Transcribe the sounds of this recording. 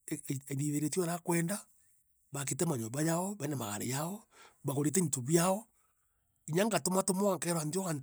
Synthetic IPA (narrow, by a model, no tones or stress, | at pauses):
eβiðeɾetioɾakwɛːnda | βak̬itemaɲombajaoβanama̰ɣa̰ɾḛjaoβaɣoɾet̬entuβjaɔ | iɲaŋɡatomatomoaŋkeɾwandioɣan